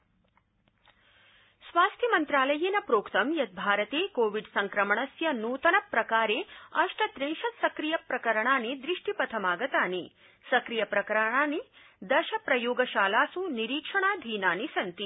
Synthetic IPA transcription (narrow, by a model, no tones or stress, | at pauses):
sʋaːst̪ʰjɐmɐnt̪ɾaːlɐjinɐpɾoːkt̪ɐmjɐt̪̚bʱaːɾɐt̪eːkoːʋiɖsɐŋkɾɐmɐɳɐsjɐnuːt̪ɐnɐpɾɐkaːɾeːɐʂʈɐt̪ɾeŋʃɐt̪sɐkɾijɐpɾɐkɐɾɐɳaːnid̪ɾiʂʈipɐt̪ʰɐmaːɡɐt̪aːni | sɐkɾijɐpɾɐkɐɾɐɳaːni | d̪ɐʃɐpɾɐjoːɡɐʃaːlaːsuniɾiːkʂɐɳaːd̪ʱiːnaːnisɐnt̪i